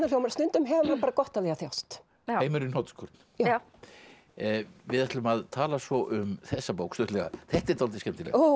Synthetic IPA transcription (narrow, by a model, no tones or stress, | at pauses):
nal̥joːwmɛɾst̪ʏnt̪ʏmɦɛvamaɾpaːɾakɔht̪alɛɣaθjawst̪ | eːjmʏɾʏnowt̪skʰɔɾt̪n̥ja | vɪðaht̪lʏmaðt̪ʰaːlasvɔʔʏmθɛsːapoːwkslœht̪lɛɣa̰θɛht̪ɛɾt̪owlt̪ɪscɛmt̪ɪlɛ̰a